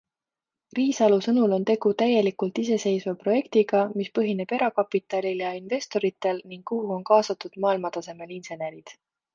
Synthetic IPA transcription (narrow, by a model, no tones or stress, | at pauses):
riːsɑlusɤnulo̞nt̪e̞ɡ̥ut̪æje̞likult̪ise̞se̞jsvɑpro̞je̞kt̪iɡ̥ɑmispɤɦine̞b̥e̞ɾɑkɑpˑit̪ːˑɑlʲiljɑinve̞st̪o̞ɾit̪ːˑe̞lniŋɡkːuɦuo̞nkɑːsɑt̪ːˑud̪̥mɑːilmɑt̪ɑse̞me̞linse̞neɾid̪̥